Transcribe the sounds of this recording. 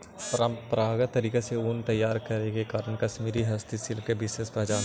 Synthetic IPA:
pɾaːɡət̪ːɐɾiːkeseunt̪ɐjːaːɾkɐɾekekaːɾənkɐʃmiːɾiɦɐst̪isɪlkebɪʃeːspɐd͡ʒaːn

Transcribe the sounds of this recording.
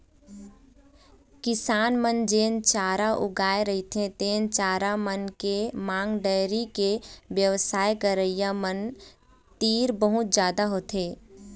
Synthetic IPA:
kɪsaːnmənd͡ʒeːnt͡ʃaːɾaʔʊɡaːeɾəɦit̪ʰẽt̪eːnt͡ʃaːɾamənkemãːŋɡɖəːɾikeʋjəʋsaːjkəɾəijamən | t̪iːɾbəɦʊt̪̚d͡ʒjaːd̪aɦoːt̪eː

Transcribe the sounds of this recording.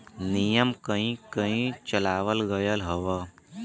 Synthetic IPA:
nijəmkəɦĩkəɦĩt͡ʃɐlaːʋəlɡəjəlɦɐʋa

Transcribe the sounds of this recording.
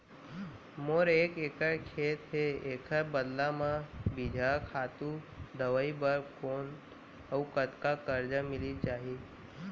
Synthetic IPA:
moːɾeːkeːkəɽkʰeːt̪ɦeeːkʰəɾbəd̪lamãbid͡ʒʱakʰaːt̪ud̪əʋəibəɾkoːn | əukət̪kakəɾd͡ʒamɪlit͡ʃaːɦi

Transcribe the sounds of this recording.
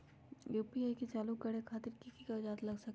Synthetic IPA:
juːpiajket͡ʃaːlukːɐɾekʰaːt̪ɪɾkikikad͡ʒaːt̪lɐɡsɐk

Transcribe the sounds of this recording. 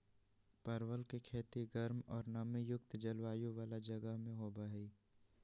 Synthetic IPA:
pɐɾwəlkekʰeːt̪iɡəɾmɔːɾnəmijʊk̚t̪d͡ʒɐlwaːjũʋaːlad͡ʒɐɡəɦmẽɦoːbaɦiː

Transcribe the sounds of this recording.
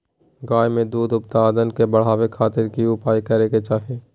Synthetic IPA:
ɡaːjmẽd̪uːd̪ʊp̚t̪aːd̪ənkebəɽ̤ɦaːʋekʰaːt̪ɪɾkiʊpaːikəɾeket͡ʃaːɦieː

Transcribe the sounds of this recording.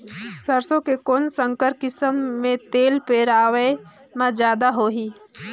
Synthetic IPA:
səɾsõkekoːnsə̃ŋkəɾkɪsəmːẽt̪eːlpeːɾaːʋəe | mãd͡ʒjaːd̪aɦoːɦiː

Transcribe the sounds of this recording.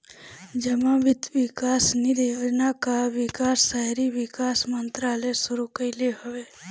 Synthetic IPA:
d͡ʒəmãʋɪt̪ʋɪkaːsniɾeod͡ʒnakaʋɪkaːsːaɾiʋɪkaːsmə̃nt̪ɾaːlesʊɾukəɪleɦʊʋeː

